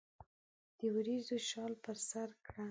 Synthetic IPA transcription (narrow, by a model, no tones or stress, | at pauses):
d̪̥əwɾizoʃɑlpəɾsaɾkɽa